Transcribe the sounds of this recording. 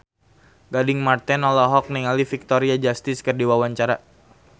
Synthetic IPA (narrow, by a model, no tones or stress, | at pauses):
ɡadɪŋmart̪ɛnɔlɔɦɔk̚niŋalifik̚t̪oɾiad͡ʒast̪ɪskərdiwawaɲt͡ʃaɾa